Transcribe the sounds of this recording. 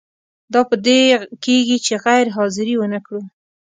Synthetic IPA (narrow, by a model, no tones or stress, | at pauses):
d̪ɑpəd̪ekeɡit͡ʃeɣajɾɦɑzɪɾiwənakɽu